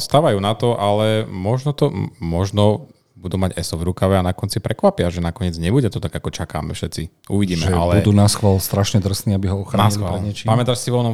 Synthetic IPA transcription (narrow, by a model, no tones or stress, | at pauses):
st̪aːʋajuːnat̪ɔʔalɛmɔʒnɔt̪ɔmɔʒnɔ | bud̪uːmaɟɛsɔvɾukaʋɛanakɔnt͡sipɾɛkʋapɪaʒɛnakɔɲɪɛd͡zɲɛbuɟɛt̪ɔt̪aɡakɔt͡ʃaka̰ːmɛ̰fʃɛt̪t͡si | uʋiɟiːmɛʒʔalɛbud̪uːnasxʋaːlst̪ɾaʃɲɛd̪r̩sniːabiɦɔɔxɾanːasilialɲɛt͡ʃipamɛt̪aʃsiʋɔnɔ